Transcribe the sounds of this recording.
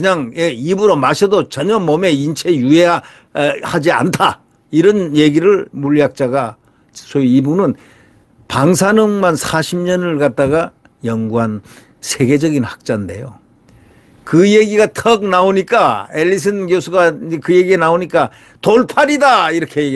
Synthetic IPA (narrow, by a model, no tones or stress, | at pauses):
kɯɲaŋeibuɾomaɕʰʌdot͡ɕʌɲʌmʌme̞int͡ɕʰe̞jueja | had͡ʑia̰ntʰa | iɾʌnje̞ɡiɾɯɭmuʎjak̚t͡ɕ͈aɡa | sʰoiibunɯn | paŋsʰanɯŋmansʰaɕʰimɲʌnɯɭkat̚t͈aɡa | jʌŋɡuɦan | sʰe̞ɡe̞d͡ʑʌɡinhḁk̚t͡ɕ͈ande̞̰jo̰ | kɯje̞ɡiɡatʰʌk̚naoɲik͈ae̞ʎːis̬ʰɯnɡjosʰuɡakɯje̞ɡienaoɲik͈a | toɭpʰaɾidaiɾʌkʰee